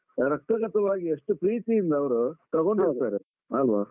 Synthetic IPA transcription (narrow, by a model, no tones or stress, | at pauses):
ɾɐk̚t̪ɐɡɐt̪ɐʋaːɡieʂʈupɾiːt̪ijind̪ɐːʋɐɾut̪ɐɣo̞ɳɖɦoɾt̪aːɾe | ɐlʋaː